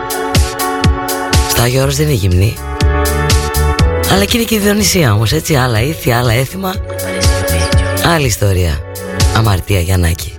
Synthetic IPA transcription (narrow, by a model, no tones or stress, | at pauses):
st̪ɐʝoɾozðeniʝimni | ɐlɐcineciðio̞nisiɐo̞mo̞se̞t͡siɐlɐiθiɐlɐe̞θimɐ | ɐliːst̪o̞ɾiɐ̰ | ɐmɐɾt̪iɐʝɐnɐ̰ci̥